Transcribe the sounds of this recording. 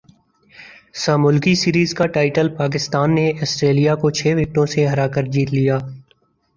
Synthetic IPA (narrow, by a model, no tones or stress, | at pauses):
saːmʊlkisiːɾiːzkaʈaːɪʈəlpaːk̬ɪst̪aːnːeʔɐsʈɾeːlijakot͡ʃʰeːʋɪk̚ʈõseɦɐɾaːkəɾd͡ʒiːt̪lijaː